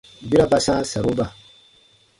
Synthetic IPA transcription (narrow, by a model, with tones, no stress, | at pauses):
bi˦ɾa˦ba˦sãː˦sa˨ɾo˦ba˨